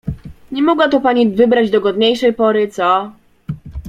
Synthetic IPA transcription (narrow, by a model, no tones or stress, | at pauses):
ɲɛmɔɡwat̪ɔpaɲivɘbɾad͡ʑd̪ɔɡɔd̪ɲejʂɛjpɔɾɘt̪sɔ